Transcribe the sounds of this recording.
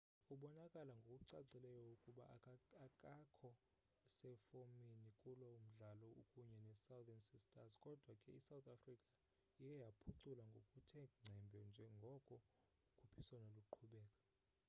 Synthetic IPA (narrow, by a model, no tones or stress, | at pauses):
uɓɔnakʼalaŋɡʱokʼuǀaǀilɛjɔukʼuɓa̰akʼakʰɔ | sɛfominikʼulom̩ɮalɔukʼuɲɛnɛsawd̪ɛnsistʼazkʼɔd̥ʱwakʼɛisawt̪ʰʼafrikʼa | ijɛjapʰuǀulaŋɡʱokʼutʰɛŋ͡ǀʱɛmbʱɛnd͡ʒʱɛŋɡʱɔkʼɔ | ukʰupʰiswanaluǃʰuɓɛːkʼḁ